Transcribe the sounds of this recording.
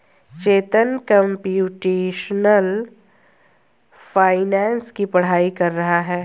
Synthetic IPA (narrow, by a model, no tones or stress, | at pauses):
t͡ʃeːt̪ənkɐ̃mpjuːʈeːʃnəl | faːɪnɛ̃ːnskipɐɽ̤aːikɐɾːɐɦaɦɛː